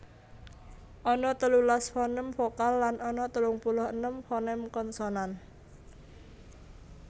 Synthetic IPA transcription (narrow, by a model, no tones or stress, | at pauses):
ʔɔnɔt̪əlulasfɔnɛmfɔkalːanɔnɔt̪əlʊŋpulʊhənəmfɔnɛmkɔnsɔnan